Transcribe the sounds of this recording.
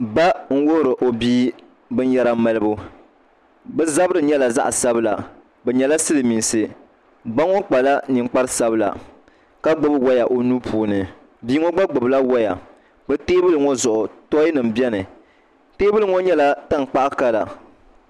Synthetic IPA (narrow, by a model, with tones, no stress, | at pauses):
ba˦ŋ̩˦wo˦hʊ˦ɾɨ˨ʔo˨biː˦ | bɨ˦n˦jɛ˦ɾa˦ma˨lɨ˦bu˦ | bɛ˦za˦bɨ˦ɾɨ˨ɲɛ˦la˨za̰˦ʔa˨sa˦bɨ˦la̰˨ | bɛ˨ɲɛ˨la˦sɨ˦lɨ˨mi˨nsɨ˦ | ba˦ŋo˦k͡pa˨la˦ni˨ŋ͡mk͡pa˦ɾɨ˦sa˦bɨ˦la̰˨ | ka˦ɡ͡bʊ˦bwa˦ja˨ʔo˨nu˦pʰuː˨˦nɨ˨ | biː˦ŋo˦ɡ͡ba˦ɡ͡bʊ˨bla˦wa˦ja̰˨ | bɨ˦teː˦bɨ˦lɨ˨ŋɔ˦zʊ˨ʔʊ˨tɔ˦i˦nɨ˨m̩˨bɛ˦nɨ˨ | teː˦bɨ˦lɨ˨ŋo˦ɲɛ˦la˦ta˦ŋ˨k͡pa˦ʔa˦ka˦la̰˨